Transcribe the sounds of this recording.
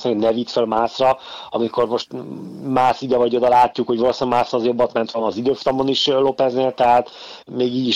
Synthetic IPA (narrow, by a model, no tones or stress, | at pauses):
sanɛvit̪følmaːsrɒɒmiko̞rmo̞ʃt̪maːsid̪ɛvɒɟo̞d̪ɒlaːcːukho̞ɟvɒloːsaːmaːsrɒːzjo̞bːɒt̪mɛnt̪ʋɒnɒzid̪øːfu̥t̪ɒmoniʃlo̞pɛzneːlt̪ɛɦaːt̪ | meːɡiːɟi